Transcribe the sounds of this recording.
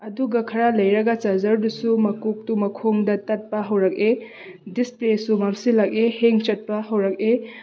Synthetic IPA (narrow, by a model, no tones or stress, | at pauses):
ɐduɡɐkʰɐɾalɐjɾɐɡɐt͡ʃɐzɐɾdusumɐkuk̚tumɐkʰoŋdɐtɐt̚pɐɦɐwɾɐk̚e | displesumɐmsilak̚eheŋt͡ʃɐt̚pɐɦɐwɾɐk̚e